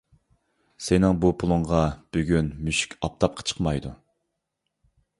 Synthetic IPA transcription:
sɪnɪŋbupʰʊlˠʊɴʁɑb̥øɡʲynmyʃy̥kʲɑp̚t̪ʰɑp̚qʰə̥t͡ʃʰə̥qmɑjd̪u

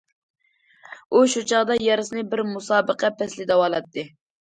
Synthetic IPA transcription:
uʃut͡ʃʰɑʁd̪ɑjɑɾɨsɨnɨbɪɾmusɑːbəqʰɛpʰɛslɪd̪ɛwɑlˠɑt̪ʰːɨ

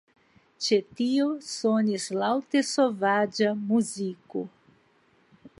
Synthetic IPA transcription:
t͡ʃet̪iosonislawt̪esovad͡ʒɐmuzikʊ

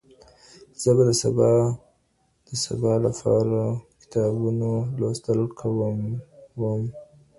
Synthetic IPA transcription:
z̥əbad̪əsa̰bɑ | d̪̥əsa̰bɑlapʰɑ̰ɾakɪ̥t̪ʰɑbunolost̪əlkʰawəmwəm

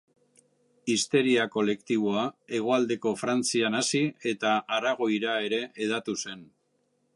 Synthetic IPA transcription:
ist̪e̞ɾiako̞le̞kt̪iβ̞o̞ae̞ɣ̞o̞ald̪e̞ko̞fɾant͡sianasie̞t̪aʔaraɣ̞o̞jɾae̞ɾe̞ʔːð̞at̪use̞n

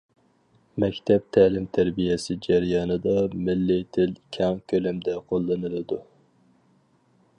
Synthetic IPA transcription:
mɛkʲt̪ʰɛp̚t̪ʰæːlɪmt̪ʰæɾbijesɪd͡ʒæɾjɑːnɨd̪ɑmɪlːɪt̪ʰɪlkʲʰɛŋkʲʰølymd̪ɛqʰolˠːɨnɨlˠɨd̪u

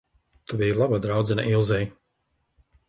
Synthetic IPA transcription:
t̪ubijlˠabad̪ɾawd̪zɛna̰ʔilˠzɛj

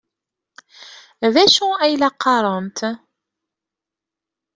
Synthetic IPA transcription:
ðæʃuæjlɑqʰːɑɾˤənt̪

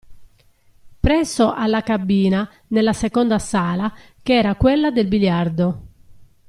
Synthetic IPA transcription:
pɾɛsːoʔalːakabːiːna | nelːasekɔnd̪asaːla | keɛːɾakwelːad̪elbiljard̪o

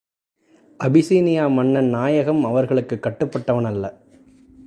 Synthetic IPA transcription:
ʔɐbɪsiːnɪjaːmɐɳːɐnaːjɐɣɐmɐʋɐɾɣɐɭɯkːɯkːɐʈːɯpːɐʈːɐʋɐnɐlːɐ

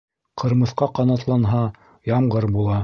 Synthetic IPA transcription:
qʰɤ̆ɾmɤ̆θqɑqɑnɑt̪lˠɑnɦɑ | jɑmʁɤɾbulˠɑ

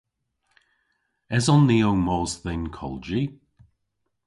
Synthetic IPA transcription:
ɛzɔnːiːowmɔːzðɪnkʰɔ̰ld͡ʒi

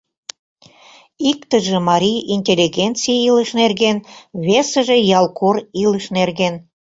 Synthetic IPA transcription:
ikt̪əʒĕmɑɾʲijinʲtʲelʲːiɣʲent͡sijiləʃnerɣenβesə̆ʒejɑlkʰoriləʃnerɣen

